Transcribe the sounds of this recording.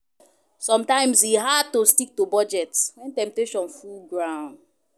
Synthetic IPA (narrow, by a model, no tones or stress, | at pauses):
sɔ̃mtãɪ̃msiɦad̚tostik̚tobɔd͡ʒɛtwɛ̃ntɛ̃mp̚teʃɔ̃nfulɡɹãʊ̃nd